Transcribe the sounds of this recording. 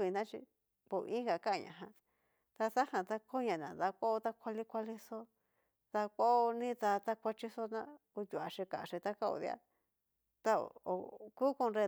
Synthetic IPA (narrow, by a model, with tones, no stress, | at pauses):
βi˧nã˦t͡ʃḭ˧ | pṵ˨˧ĩ˦ɡa˨kã˦˧ɲã̰˧˨ɦã˧ | t̪a˧sa˦hã˧t̪a˦kʰo˦ɲã˨nã˨nd̪a˧kʷo˦o˦t̪a˦kʷa˧li˦kʷa˧li˦so˦ | ða˧ko˦o˧nĩ˦t̪a˧t̪a˦kʷa˧t͡ʃi˦so˦nã˦ku˧t̪ʲu˨a˨ʂi˧ka˨ʂi˧t̪a˦ka˦o̰˧ðḭ˧a̰˦ | t̪a˦o̰˨o̰˨ku˦ku˧nɾe˧